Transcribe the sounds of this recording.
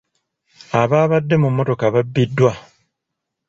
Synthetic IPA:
aβaːβadːe̞mumːo̞to̞kaβabːidːwa

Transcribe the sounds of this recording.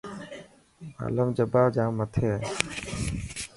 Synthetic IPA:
a̰ləmd͡ʒəbaːd͡ʒaːmːət̪ʰeː

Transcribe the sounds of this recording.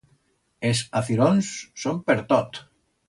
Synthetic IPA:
esaθiɾonsːompeɾt̪ɔt̪

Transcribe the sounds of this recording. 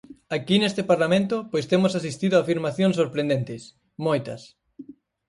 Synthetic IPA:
akinest̪ɪpaɾlamẽnt̪ʊpojst̪emosasist̪iðʊaːfiɾmaθjõŋsoɾpɾẽnd̪ent̪ɪs | mojt̪ɐ̰s

